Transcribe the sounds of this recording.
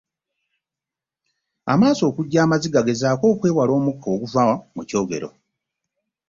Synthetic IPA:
a̰maːso̞ːkuɟːaːmaziɡaɡe̞zaːko̞ːkwe̞ːwalo̞ːmukʰːo̞ːɡuvawamuco̞ːɡe̞̰ɾo̞̰

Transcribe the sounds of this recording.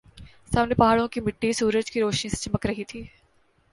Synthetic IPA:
saːmnepɐɦaːɭõkimɪʈːisuːɾəd͡ʒkiɾoːʃnĩset͡ʃɐməkɾɐɦit̪ʰiː

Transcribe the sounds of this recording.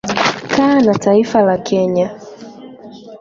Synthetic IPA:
kanataifalakʰɛɲa

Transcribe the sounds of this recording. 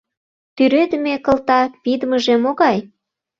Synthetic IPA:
t̪yɾød̪əmekə̆lt̪ɑkpid̪əməʒemoɣɑj

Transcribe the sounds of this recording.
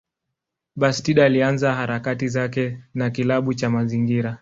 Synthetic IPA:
ɓastiɗalianzaɦaɾakatizakɛnakilaɓut͡ʃamaziŋɡiɾa

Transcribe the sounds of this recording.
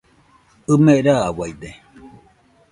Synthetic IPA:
ɯmeʔɾawajd̪e

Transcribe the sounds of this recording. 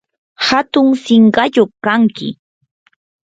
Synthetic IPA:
hat̪ʊŋsɪɴɢɑʎoχkaŋkɪ̰

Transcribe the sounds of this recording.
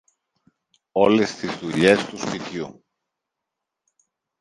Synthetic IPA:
o̞le̞st̪izðuʎe̞st̪uspit̪çu

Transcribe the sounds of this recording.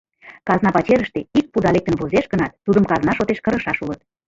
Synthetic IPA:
kɑznɑpɑt͡ɕeɾəʃt̪eik̚pud̪ɑlek̚t̪ənvuzeʃɣənɑt̪ːud̪əmkɑznɑʃot̪eʃkəɾəʃɑʃulət̪

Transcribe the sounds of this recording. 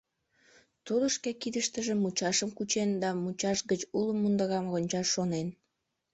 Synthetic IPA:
t̪uləʃkekid̪əʃt̪əʒemut͡ɕɑʃəmkut͡ɕend̪ɑmut͡ɕɑʃɣət͡ɕuləmːund̪əɣɑmɣonʲt͡ɕɑʃːonen

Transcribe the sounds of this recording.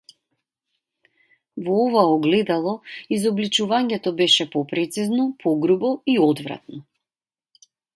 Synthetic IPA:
vɔɔvaɔɡlɛd̪alˠɔizɔblit͡ʃuvaɲɛt̪ɔbɛʃɛpɔpɾɛt̪siznɔpʰɔɡɾubɔiɔd̪vɾa̰t̪̚nɔ

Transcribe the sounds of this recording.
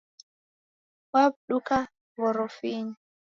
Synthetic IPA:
wab̚ɗuka | βɔɾɔfiɲi

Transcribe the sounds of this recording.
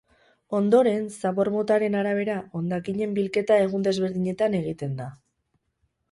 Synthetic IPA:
o̞nd̪o̞ɾe̞nsaβo̞ɾmo̞t̪aɾe̞naɾaβ̞e̞ɾaʔo̞nd̪akiɲe̞mbilke̞t̪ae̞ɣ̞und̪e̞zβe̞ɾðiɲe̞t̪ane̞ɣit̪e̞nd̪a

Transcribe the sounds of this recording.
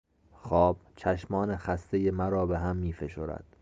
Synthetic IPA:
xɒːb̥̚t͡ʃʰæʃmɒːne̞xæst̪ejemæɾɒːbe̞ɦæmːiːfe̞ʃoːɾæ̰d̪̥̚

